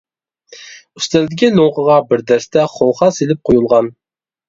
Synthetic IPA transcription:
y̥st̪ɛld̪ɪkʲiloŋqəʁɑbɪɾd̪æɾst̪ɛχolχɑselɪp̚qʰojulˠʁɑn

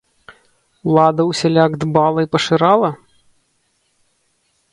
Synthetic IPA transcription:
lˠad̪ɐwsʲɛlʲaɡd̪balˠɐipɐʂɨɾalˠɐ

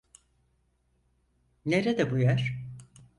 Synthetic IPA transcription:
neɾed̪ɛbujæɾ̥

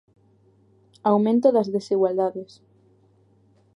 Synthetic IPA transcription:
awmẽnt̪oðɐzðesiɣwald̪aðes

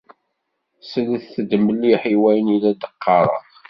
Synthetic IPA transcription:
sələθθəd̪məlːiħiwæjənilæd̪əqʰːɑɾˤɑ̰

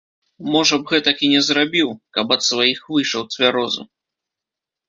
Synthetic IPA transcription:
mɔʐɐbɣɛt̪ɐkinʲɛzɾabʲiwkɐbɐt̪svajixvɨʂɐwt̪ʲvʲaɾɔzṵ

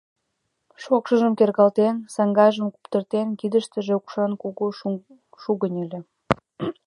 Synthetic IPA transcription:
ʃokʃəʒəmkerɣɑlt̪ensɑŋɡɑjʒə̆mku̥pt̪ərt̪enkid̪ə̆ʃt̪ə̆ʒeukʃɑnkuɣo | ʃuɣənʲelʲĕ

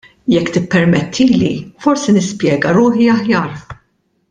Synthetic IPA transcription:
jɛkːt̪ɪpːɛɾmɛt̪ʰːiːlifɔɾsinɪspjɛːɡɐɾʊːħiɐħjɐːɾ

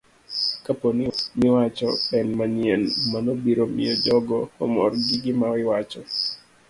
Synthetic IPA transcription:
kaponɪmɪwat͡ʃɔɛnmaɲɪɛnmanobiɾomɪ̰od͡ʒɔɡɔɔmɔ̰rɡɪɡɪmawɪwat͡ʃɔ

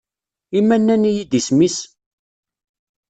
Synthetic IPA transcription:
imːænːænijid̪ismis

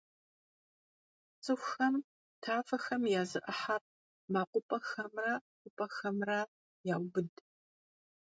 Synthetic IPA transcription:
t͡sʼɨxʷxɐm | tʰaːfɐxɐmjaːzɨʔɐħar̚ | maːqʷʊpʼɐxɐmrɐqʷʊpʼɐxɐmrɐ | jaːwbɨd

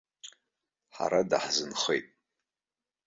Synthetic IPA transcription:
ħa̰ɾadaħzɨnχejtʼ

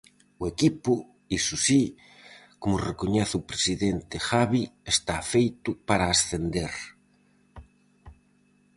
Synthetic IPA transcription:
ʊekipʊ | isusi | komʊrekoɲɛθupɾesiðent̪ɪxaβiest̪afejt̪ʊpaɾaːsθend̪eɾ

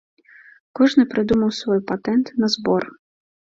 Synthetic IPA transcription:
kɔʐnɨpɾɨd̪umɐwsvɔjpat̪ɛnt̪nɐzbɔr

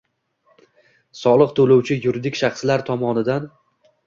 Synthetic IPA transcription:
sɒlˠɨqt̪ʰɵlowt͡ʃʰɪjʊɾɪd̪ɪkʲʃaχslaɾt̪ʰɒmɒnɪd̪an

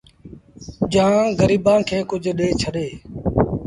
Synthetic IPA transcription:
d͡ʒãːɡəɾiːbãːkʰeːkʊd͡ʒʱɗeːt͡ʃʰəɗeː

